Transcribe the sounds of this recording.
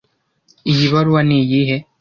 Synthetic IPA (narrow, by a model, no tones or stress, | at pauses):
ijiβaɾuwanijiɦe